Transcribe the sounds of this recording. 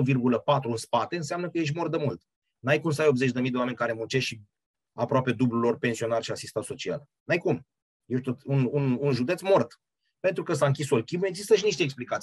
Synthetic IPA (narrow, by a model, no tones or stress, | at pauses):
virɡuləpat̪ɾuɨnspat̪e̞ɨns̬eamnəkəjeʃ̬mo̞rd̪əmult̪ | najkumsəajo̞bzet͡ʃʲd̪emijd̪eoame̞nʲkaɾe̞munt͡ʃe̞ʃi | apɾoape̞d̪ublulo̞rpe̞nsio̞narʃiasist̪anso̞t͡ʃia̰l | najkum | jet̪ot̪unununʒud̪et̪smo̞rt̪ | pe̞nt̪ɾukəs̬aɨŋkʲisolkʲime̞ɡzist̪əʃiniʃt̪eːksplikat̪sij